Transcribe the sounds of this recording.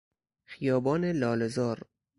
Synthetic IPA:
xijɒːbɒːnelɒːlezɒːɾ

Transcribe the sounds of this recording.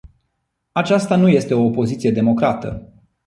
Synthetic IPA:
at͡ʃast̪anuje̞st̪e̞o̞ːpo̞zit̪sije̞d̪e̞mo̞kɾat̪ə̰

